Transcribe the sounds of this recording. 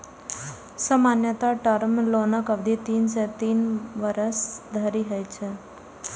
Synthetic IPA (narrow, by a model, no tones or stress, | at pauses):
səmanjət̪aʈəɾmlonəkəʋd̪ʱit̪iːnset̪iːnʋəɾəsd̪ʱəɾiɦəjt͡ʃʰe